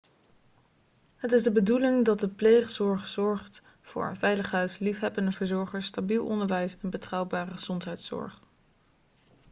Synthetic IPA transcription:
ɦətɪzdəbədulɪŋdɑt̚dəplejχsɔɹχzɔɹχt | fʊ̰ːɹvɛjləχɦœɥslifɦɛbəndəvəɹzɔɹχəɹstabilˠɔ̰ndəɹʋɛjsɛnbətrɑwbaːrəχəz̥ɔntɦɛjtsɔ̰ɹχ

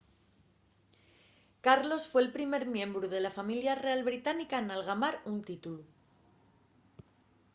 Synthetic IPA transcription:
kaɾlo̞sfwe̞ːlpɾime̞ɾmjẽ̞mbɾuð̞e̞lafamiljare̞alβɾit̪anikanalɣamaɾunt̪it̪ulu

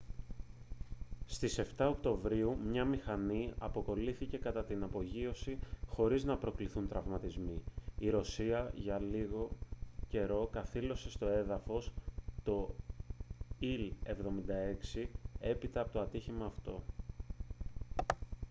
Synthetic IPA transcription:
st̪ise̞ft̪ɐo̞kt̪o̞vɾiumɲɐmixɐniɐpo̞ko̞liθice̞kɐt̪ɐt̪inɐpo̞ʝio̞sixo̞ɾiznɐpɾo̞kliθunt̪ɾɐvmɐt̪izmiiɾo̞siɐʝɐliɣo̞ce̞ɾo̞kɐθilo̞se̞st̪o̞e̞ðɐfo̞st̪o̞ | ile̞vðo̞mind̪ɐe̞ksie̞pit̪ɐːpo̞t̪oɐt̪içimɐːft̪o̞

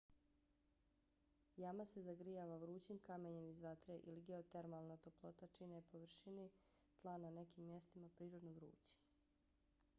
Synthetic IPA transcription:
jamase̞zaɡɾijaʋaʋɾuːt͡ɕimkame̞ɲemizʋat̪ɾeʔiliɡeot̪eɾmalˠnat̪oplˠo̞t̪at͡ʃinepo̞ʋr̩ʃini | t̪lˠanane̞kimːje̞st̪imapɾiːɾod̪noʋɾṵːt͡ɕi̥

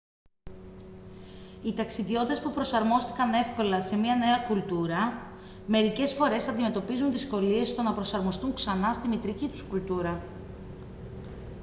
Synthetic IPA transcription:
it̪ɐksiðjo̞t̪t̪espupɾo̞sɐɾmo̞st̪i̥kɐne̞fko̞lɐse̞miɐne̞ɐkult̪uɾɐ | me̞ɾice̞sfo̞ɾe̞sɐnd̪ime̞t̪o̞pizunðisko̞lie̞st̪o̞nɐpɾo̞sɐɾmo̞st̪uŋksɐnɐst̪imit̪ɾicit̪u̥skult̪uɾɐ

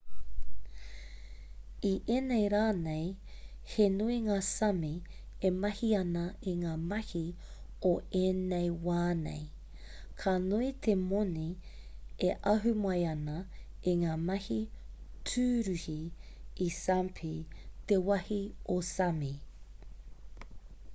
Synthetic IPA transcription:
iʔeːnejɾaːnej | henuiŋaːsɐmi | emɐhiɐnɐiŋaːmɐhi | oeːnejwaːnḛj | kʰanuit̪ʰemoni | eʔɐɦʉmɐjɐnɐ | iŋaːmɐhi | tʰʉːɾʉhiː | sampʰit̪ewɐhiosɐmi

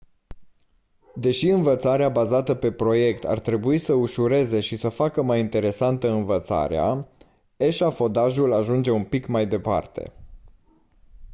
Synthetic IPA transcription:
d̪e̞ʃiɨnvət̪saɾeabazat̪əpe̞pɾo̞je̞kt̪ʰa̰rt̪ɾe̞buisəuʃuɾe̞ze̞ʃisəfakəmajint̪e̞ɾe̞sant̪əɨnvət̪sa̰ɾea̰ | e̞ʃafo̞d̪aʒulaʒund͡ʒe̞unpikmajd̪e̞pa̰rt̪e̞̰

